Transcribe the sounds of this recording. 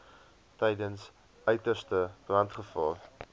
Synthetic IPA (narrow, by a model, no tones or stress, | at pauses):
tɛjdəns | œɥtərstəb̥rɐntχəfɑ̰ːr